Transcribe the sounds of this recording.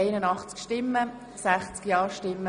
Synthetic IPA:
eɪnənɑχt͡skʃtɪmːə | sæχt͡skjɑːɾʃtɪmːə

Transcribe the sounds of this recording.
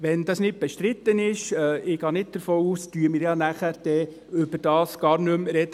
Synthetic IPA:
ʋɛnd̥̪ɑsnɪt̚b̥ɛʃtɾɪt̪ːənɪʃɛɪɡ̥ɑːnɪt̚d̥̪əɾfoːuːstyːəmɪːɾjɑnæχæɾd̥ɛ | ʏbəɾd̥ɑːsɡ̥ɑːɾnɵmɾɛdə

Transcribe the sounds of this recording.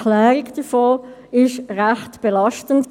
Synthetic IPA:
lɛːʁikd̥əfoː | ɪʃʁæχtb̥elɑʃtənd

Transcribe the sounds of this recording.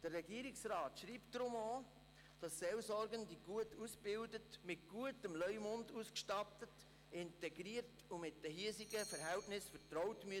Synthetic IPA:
d̥ərːɛɡiəɾɪksɾɑːtʃɾiːptdɾʊmɔː | d̥ɑsːɛlsɔɾɡəndiɡ̥uətusb̥ɪldətmɪt̚ɡ̥uətəmlœʏmʊnduskʃtɑtət | ɪntɛɡɾiəɾtʊmɪtd̥ɛɦiəsiɡəfɛɾɦæltnɪsfətɾɔwtmy

